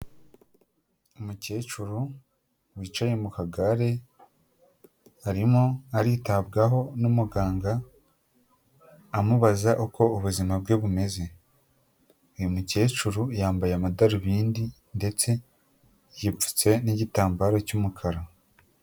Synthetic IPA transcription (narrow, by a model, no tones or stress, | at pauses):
umuce̞ːt͡ʃuɾu | wiːt͡ʃajemukaɡaɾe̞ | aɾimoaɾiːtabɡaɦo̞numuɡaːŋɡa | muβazaʔuko̞uβuzimab̚ɡeβume̞ze̞ | ujumuce̞ːt͡ʃuɾujaːmbajamadaɾuβiːndi | nde̞t͡se̞ | jip͡fu̥t͡se̞niɟitaːmbaːɾacumukʰaɾa